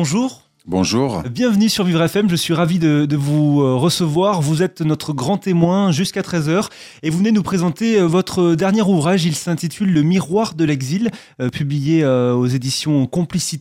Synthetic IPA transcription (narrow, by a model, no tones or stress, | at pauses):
ɔ̃ʒuːʁ | bɔ̃ʒuːʁbjɛ̃vnysyʁvivʁɛfɛmʒəsɥiʁavid̪əd̪əvuøʁəsəvwaʁvuzɛt̪nɔt̪χəɡʁɑ̃t̪emwɛ̃ʒyskat̪χɛzœʁ | evuvəned̪ənupχezɑ̃t̪eøvɔt̪χəd̪ɛʁnjɛʁuvʁaʒilsɛ̃t̪it̪ʰylːəmiʁwaʁd̪əlɛɡzil | øpʰyblijeøozed̪isjɔ̃kɔ̃plisit̪